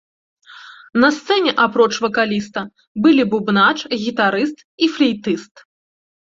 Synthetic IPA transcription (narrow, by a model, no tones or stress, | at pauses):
nɐst̪sɛnʲɛʔapɾɔt͡ʂvɐkalʲist̪ɐ | bɨlʲibubnat͡ʂɣʲit̪aɾɨst̪iflʲɛjt̪ɨst̪